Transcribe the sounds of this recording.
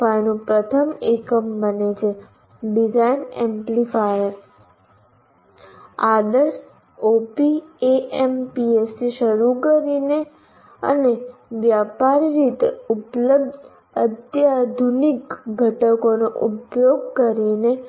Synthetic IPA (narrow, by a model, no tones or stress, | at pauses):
ajnũpɾət̪ʰəmekəmbənet͡ʃʰe | ɖid͡ʒainḛmplifajəɾ | ad̪əɾs | opieʔempiest̪iʃəɾukəɾine | ə̰neʋjapaɾɾit̪eupləb̚d̪ | ət̪jad̪ʱunikɡʱəʈəkonoʔupjoɡ̚kəɾine